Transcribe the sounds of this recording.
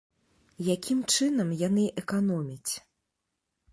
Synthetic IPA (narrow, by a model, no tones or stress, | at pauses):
jakʲimt͡ʂɨnɐmjanɨʔɛkanɔmʲit͡sʲ